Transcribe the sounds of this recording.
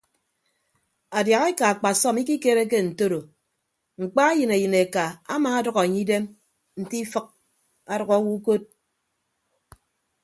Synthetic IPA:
a˨dja˨ɣe˦ka˨a˨k͡pa˨sɔ˦mi˦ki˦ke˦ɾe˦k̬e˦n̩˨to˦ɾo˨ | ŋ͡m̩˨k͡pa˦a˦jɨ˨ne˨jɨ˨ne˨ka˨a̰˦maː˨a˦dʌ˨ɣɔ˨e˨ɲi˦de˦m | n̩˨ti˦fɨ˦k̚ | a˨dɔ˨ɣɔ˦wu˦ko˦t̚

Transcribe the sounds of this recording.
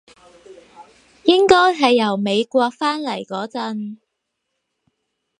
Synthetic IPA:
jɪ˥ŋkɔː˥jɦɐ˨jːɐ˨˩wme˨˧jkʷɔː˧k̚faː˥nlɐ˨˩jkɔː˨˥t͡sɐ˨˧n

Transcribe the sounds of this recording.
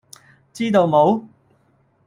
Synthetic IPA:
t͡siː˥t̪o˨˧wmo˨˧w

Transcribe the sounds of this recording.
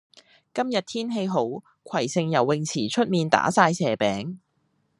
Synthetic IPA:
kɐ˥mjɐ˨t̚t̪ʰiː˥nɦe˧jɦo˨˥w | kʰɐ˨˩jsɪ˧ŋjɐ˨˩wːɪ˨ŋt͡sʰiː˨˩t͡ʃʰɵ˥t̚miː˨˧nt̪a̰ː˨˥saː˧jsʰɛː˨˩pɛː˨˥ŋ

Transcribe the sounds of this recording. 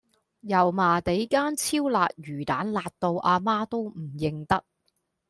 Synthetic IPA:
jɐ˨˩wmaː˨˩t̪e˨˥jkaː˥nt͡sʰiː˥wlaː˨t̚jyː˨˩t̪aː˨˥nlaː˨˧t̚t̪o˧wʔaː˧maː˥t̪o˥wm̩˨˩jɪ˨ŋt̪ɐ˥k̚

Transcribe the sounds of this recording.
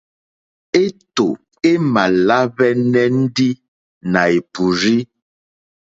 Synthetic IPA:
e˦to˨ | e˦ma˨la˦βɛ˦nɛ˦n̩˦di˦ | na˨e˨pu˨ɾi˦

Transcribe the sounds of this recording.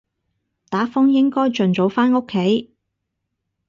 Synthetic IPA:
t̪aː˨˥fʊ˥ŋjɪ˥ŋkɔː˥jt͡ʃɵ˨nt͡so˨˥wfaː˥no˥kʰːe˨˥j

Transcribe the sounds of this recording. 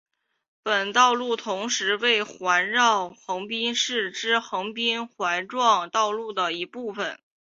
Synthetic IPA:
pə˨˩nt̪ɑ˥˧ʊlu˥˩t̪ʰʊ˧˥ŋʂɻ̩˧˥we˥˩ɪxwa˧˥nɻɑ˥˩ʊxɤ˧˥ŋpi˥nʂɻ̩˥˩ʈ͡ʂɻ̩˥xɤ˧˥ŋpi˥nxwa˧˥ɪʈ͡ʂwɑ˥˧ŋt̪ɑ˥˧ʊlu˥˩d̪ə˩i˧˥pu˥˩fə˨˩n

